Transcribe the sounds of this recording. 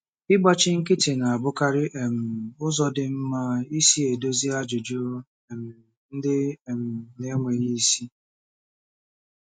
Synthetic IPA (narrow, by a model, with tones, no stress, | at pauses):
ɪ˦ɡ͡ba˦t͡ʃɪ˦ŋ̩˦kɪ˦tɪ˨na˨a˨bʊ˦ka˦ɾɪ˦ʔe˨m̩˨ʊ˦zɔ˦dɪ˨m̩˦ma˦i˦si˦e˨do˦zi˦a˦d͡ʒʊ˨d͡ʒu˦˨ | m̩˨ | n̩˦dɪ˦˨m̩˨ne˦ŋʷe˨ɲi˦i˦si˦